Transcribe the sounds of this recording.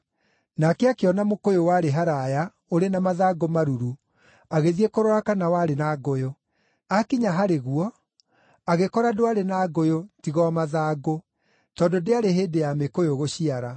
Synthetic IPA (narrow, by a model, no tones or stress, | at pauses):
nakeakeɔnamokojowaɾeɦaɾaja | oɾenamaðaːɡomaɾuɾu | aɣeðiekoɾɔakanawaɾenaɡojo | akiɲaɦaɾeɣuɔ | aɣekɔɾadoaɾenaɡojotiɣɔmaðaːɡo | tɔndodeaɾeɦeːdejamekojoɣoɕiaɾa